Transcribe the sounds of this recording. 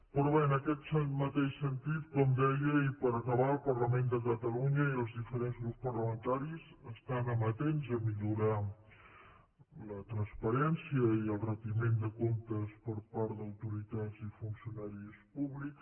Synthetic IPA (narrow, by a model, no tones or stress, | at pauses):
pɾɔβeənəkɛt̪səmət̪eʃsənt̪it̪kɔmd̪ɛjəipəɾəkəβaəlˠpərləmend̪əkət̪əluɲəiəlˠzðifəɾenzɣɾupspərləmənt̪aɾizəst̪anəmət̪enzəmiʎuɾa | lət̪ɾənspəɾɛnsiəiəlˠrət̪imend̪əkomt̪əspəɾpaɾd̪əwt̪uɾit̪azifunsiunaɾispuβlik